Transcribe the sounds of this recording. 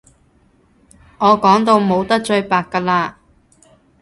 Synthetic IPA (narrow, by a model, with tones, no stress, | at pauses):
ŋɔː˨˧kɔː˨˥ŋt̪o˧wmo˨˧wt̪ɐ˥k̚t͡ʃɵ˧ɥpaː˨kːaː˧laː˧